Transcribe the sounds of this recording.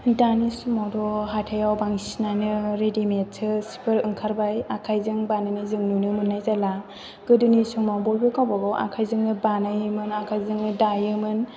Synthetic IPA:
danismɔdɔɦatʰajawbaŋsinanɯɾedimet̚tʰɯsi̥pʰɯɾɯŋkʰaɾbajakʰajzɯŋbanɯnizɯŋnunɯmɯnːajzala | ɡ̥ɯdɯnisuŋmawbɔjbɯkawbɔɡɔwʔa̰kʰajzɯŋnɯbanajɯmɯnakʰajzɯŋnɯdajɯmɯn

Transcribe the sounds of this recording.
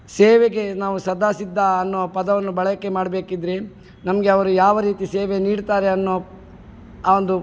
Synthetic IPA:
seːʋeɡe̞naːʋusɐd̪ʱaːsid̪ːaɐnːoːpɐd̪ɐʋɐnːubɐɭɐɐkːe̞maːɖɐbeːkid̪ɾi | nɐmɐɡe̞ɐʋɐɾujaːʋɐɾiːt̪iseːʋeniːɖt̪aːɾe̞ɐnːoː | aːond̪u

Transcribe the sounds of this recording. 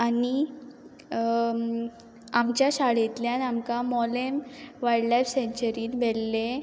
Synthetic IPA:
ani | amt͡ɕjaɕaɽet̪ljanamkamɔlemʋajɽlajfseɲt͡ɕəɾiːnbelːe

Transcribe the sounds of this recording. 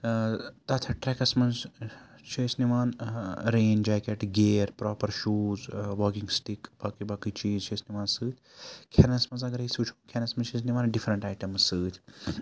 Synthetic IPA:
t̪ɐt̪ʰɐʈɾɛkɐsmɐnz | t͡ʃʰeːsniʋaːnɾeːnd͡ʒaːkeʈɡeːɾpɾoːpɐɾʃuːzʋoːkiŋɡsʈikbɐkibɐkɨt͡ʃiːzt͡ʃʰeːsniʋaːnsɨːt̪ʲʰkʲʰenɐsmɐzɐɡɐɾisuːt͡ʃʰu̥kʲʰenɐsmɐnt͡ʃʰeːs̬niʋaːnɖifɾɐɳʈaːjʈɐmsɨːt̪ʲʰ

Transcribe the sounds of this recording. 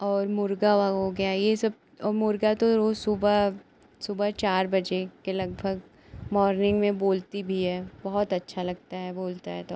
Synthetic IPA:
ɔːɾmʊɾɡaʋaɦoɡɐjajesɐb̚ | ɔːɾmʊɾɡat̪oɾoːsʊba | sʊbət͡ʃaːɾbɐd͡ʒekelɐɡ̚bʱəɡ | mɔːɾnɪ̃ŋɡmẽboːlt̪ibʱiɦɛːbɐɦʊt̪ɐtːʃʰalɐɡ̚t̪aɦɛboːlt̪aɦɛt̪o

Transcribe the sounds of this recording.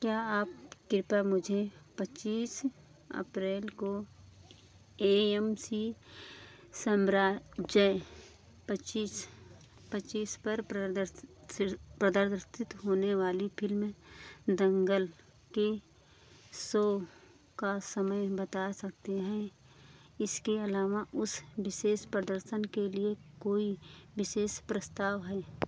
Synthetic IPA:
kjaːaːp̚kɪɾpamʊd͡ʒʱepət͡ʃiːs | ə̰pɾeːlko | eːɛmsi | səmɾaːd͡ʒə | pət͡ʃiːs | pət͡ʃiːspəɾɾ | pɾəd̪əɾɾsɪt̪ɦoːneʋaːlipʰɪlm | d̪ə̃ŋɡəl | ke | sɔː | kasəməjbət̪aːsɐk̚t̪eɦɛ̃ | ɪskeɐlaːʋaʔʊsʋɪʃeːʃpɾəd̪əɾsənkeliekoːiʋɪʃeːʃpɾəst̪aːʋɦɛː

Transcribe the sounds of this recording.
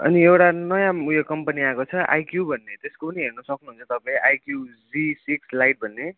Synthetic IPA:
ʌ̰niewʈanʌjãujokʌmpʌniakot͡sʰʌʔa̰jkjubʱʌnːet̪eskopʌniɦernʌsʌknuɦunt͡sʰʌt̪ʌpãĩʔajkjud͡zisikslajʈ̚bʱʌnːe

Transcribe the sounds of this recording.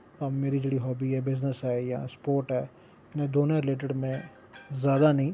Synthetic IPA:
ameːɾid͡ʒeːɽiɦɔːbiɛːbɪznəsɦɛːjã̰ːspoːɾʈɦɛː | ɪnẽd̪oːnõɾɪleːʈ̬ɪɖmẽ | zjaːd̪anəĩː

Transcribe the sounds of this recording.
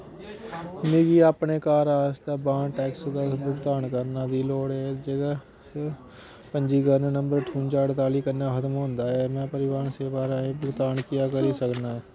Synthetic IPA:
niːɡiːaːpneːkaːɾaːst̪aːbãːɳʈɛːksəd̪abʊɡt̪aːɳkəɾnaːd̪iːloːɽɛːd͡ʒeːɡaː | pəɲd͡ʒiːɡənːnə̃mbəɾʈʰuːnt͡ʃaːɽt̪aːliːkəɾnaːxʰət̪əmɦõːnd̪aːɦɛːmɛ̃ːpəɾɪʋaːnseːʋaːɾãːẽbʊɡt̪aːɳkɪjaːkəɾiːsəknaːɛː

